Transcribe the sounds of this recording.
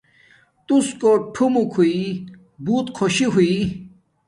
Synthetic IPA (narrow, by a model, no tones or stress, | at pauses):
t̪uskoʈʰumukʰui | buːt̪kʰoɕiɦui